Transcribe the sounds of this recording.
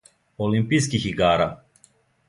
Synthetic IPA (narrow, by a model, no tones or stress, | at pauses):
olimpiskixiɡaːɾa̰